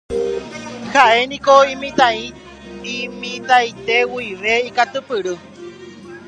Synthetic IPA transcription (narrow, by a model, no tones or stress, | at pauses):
haʔenĩkoĩmĩt̪ãĩ | imĩt̪ajt̪ewuiʋeikat̪ɨpɨɾɨ